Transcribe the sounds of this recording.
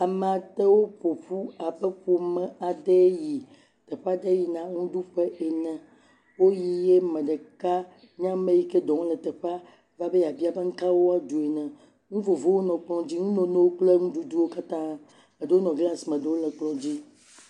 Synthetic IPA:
a˨me˨a˨t̪ɛ˦wo˦ɸo˨ɸu˦a˨bɛ˦ɸo˦mɛ̃˨a˨d̪e˦ji˨ | t̪ɛ˨ɸa˦d̪e˦ji˨nã˨ŋũ˦du˦ɸɛ˦ʔe˨nɛ̃˨ | wo˦jii˦je˦mɛ̃˨ɖe˨ka˦ | ɲã˦mẽ˨ji˨kɛ˦d̪ɔ̃˨ŋũ˦lɛ˨t̪ɛ˨ɸa˦ | va˦be˦ja˨bi˦a˨be˦ŋ̩˦ka˦wo˦a˦du˨e˨nɛ̃˨ | ŋũ˦vo˨vo˦wo˦nɔ̃˨k͡plɔ̃˦d͡ʑi˦ŋũ˦nõ˨nõ˦wo˦k͡ple˦ŋũ˦d̪u˦d̪u˦wo˦ka˦t̪ã˦ | e˨de˦wo˦nɔ̃˨ɡla˦smɛ̃˨de˦wo˦lɛ˨k͡plɔ̃˦d͡ʑi˦

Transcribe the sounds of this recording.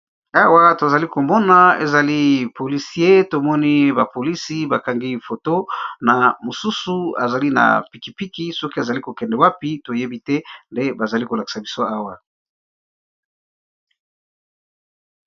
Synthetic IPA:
a˦wa˦to˨za˨li˦ko˨mɔ˦na˨ḛ˨za˨li˦pʰo˨li˦sje˦to˨mɔ˦ni˦ba˨po˨li˦si˦ba˨ka˨ŋɡi˦fo˨to˦na˨mo˨su˦su˦a̰˨za˨li˦na̰˨pi˨ki˨pi˦ki˦so˦ki˦a˨za˨li˦ko˨kɛ˨ndɛ˨wa˦pi˦to˨je˦bi˦tɛ˦nde˦ba˨za˨li˦ko˨la˨ki̥˨sa˨bi˦so˦a˦wa˦

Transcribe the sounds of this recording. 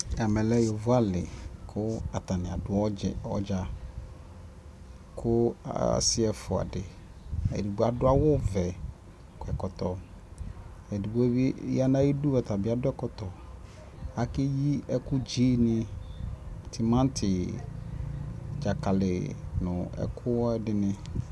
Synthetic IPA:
a˨mɛ˨lɛ˦jo˨vʊ˦a˦lɪ̰˨kʰʊ˦a˨ta˨nɪ̃˨a˨dʊ˨ɔ˦ɛ˨ɔ̰˦d͡ʒa˦ | kʰʊ˦a̰˨sɪ˦ɛ˨fʊ˨a̰˨dɪ˨ | ɛ̰˨di˨bu˦a˨dʊ˦a˦wʊ˦vɛ˨ | kʊ˨ɛ˨kɔ˨tɔ˨ | ɛ˨di˨bu˦ɛ˦bi˦j̰a˦nã˦i˦du˦va˨ta˨bɪ˦a˦dʊ˦ɛ˦kɔ˦tɔ˨ | a˨kɪ˦ji˦ɛ˦kʊ˦d͡ʒi˦nɪ̃˦ | tʰɪ˨mã˦n˦tʰɪ˨ | d͡ʒa˨ka˨lɪ̰˨nʊ̃˨ɛ̰˨kʰʊ˦ɛ˦dɪ˦nɪ̃˦

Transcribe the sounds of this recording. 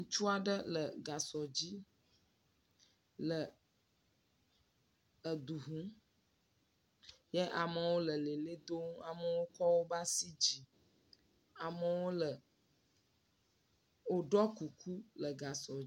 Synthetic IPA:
ŋũ˨t͡ʃu˦a˨ɖə˦lə˨ɡa˨sɔ˨d͡ʑi˦ | lə˨ | ə˨d̪u˨ɦũ˦ | jɛ˦ʔa˨mə˨wo˦lə˨le˨le˦d̪o˦ŋa˨mə˨wo˦kɔ˦wo˦ba˦si˦d͡ʑi˨ | a˨mə˨wo˦lə˨ | o˦ɖɔ˦ku˨ku˦lə˨ɡa˨sɔ˨

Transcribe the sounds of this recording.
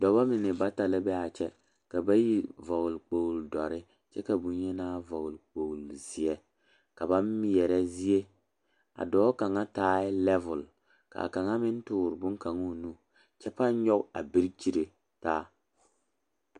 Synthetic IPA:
dɔ˨ba˦mɪ˨nɪ˨ba˦ta˨la˦bɛ˦a˨t͡ʃɛ̰˦ | ka˨ba˦ji˦vɔ˨ɣlk͡po˨ldɔ˨ɾɪ˦ | t͡ʃɛ˦ka˨bu˨n˦ɛ˦naː˦vɔ˨ɣlk͡po˨lzi˨ɛ˦ | ka˨ba˦m˦mi˦jɛ˨ɾɛ˦zi˦e˦ | a̰˨dɔː˨˦ka˨ŋa˦taː˦ɪ˦lɛ˦vʊ˨l | ka̰˨ka˨ŋa˦mɪ˦n˦tʊː˦˨ɾɪ˨bʊ˦ŋ˦ka˨ŋo˦nu˦ | t͡ʃɛ˦pa˦n˦ɲɔ˦ka̰˨bi˦ɾt͡ʃi˦ɾe˨ | taː˦

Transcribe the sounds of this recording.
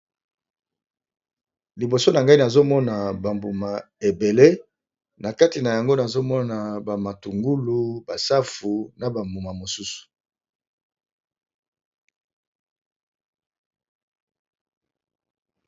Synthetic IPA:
li˨bo˨so˦na˨ŋɡa˦i˦na˨zo˦mɔ˦na˨ba˨mbu˨ma˨e˨be˨le˦ | na˨ka˦ti˨na˨ja˨ŋɡo˦na˨zo˦mɔ˦na˨ba˨ma˨tu˨ŋɡu˦lu˦ba˨sa˦fu˨na˨ba˨mbu˨ma˨mo˨su˦su̥˨

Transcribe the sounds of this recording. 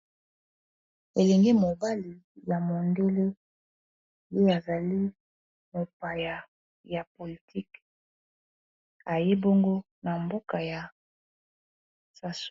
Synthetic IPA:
e˨le˨ŋɡe˦mo˨ba˦li˨ | ja˨mo˨nde˦le˦ | je˦a˨za˨li˦ | mo˨pa˨ja˨ | ja˨po˨li˨tʰi˦k | a˨je˦bo˦ŋɡo˦ | na˨mbo˦ka˨ja˨ | sa˦s

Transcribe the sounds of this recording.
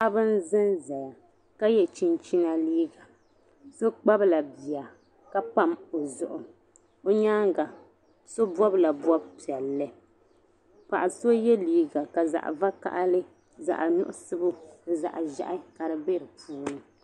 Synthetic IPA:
ʔa˦bɨ˦n˦zɨ˦nza˨ja˨ | ka˦jɛ˨t͡ʃi˦nt͡ʃi˦na˦liː˦ɡa˨ | so˦k͡pa˦bla˨bi˨ja˨ | ka˦pa˦mo˨zʊ˨ʔʊ˨ | o˦ɲa˦ŋɡa˨ | so˦bɔ˦bla˨bɔ˦bpi˨ɛ˨lːɨ˦ | pa˨ʔa˨so˦jɛ˦liː˦ɡa˨ka˨za̰˨ʔva˦ka̰˦ʔlɨ˦ | za̰˨ʔnʊ̰˦ʔʊ˦sɨ˦bʊ˦za̰˨ʔʒa̰˦ʔɪ˦ka˨ɾɨ˨be˦ɾɨ˨pʰuː˦nɨ˦

